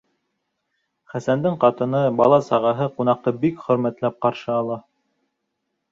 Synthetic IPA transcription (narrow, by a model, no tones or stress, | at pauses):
χæsænd̪ɘŋqɑt̪ɤ̆nɤbɑlˠɑsɑʁɑɦɤqunɑq̚t̪ɤbikχɵ̆ɾmæt̪læp̚qɑɾʃɤɑlˠɑ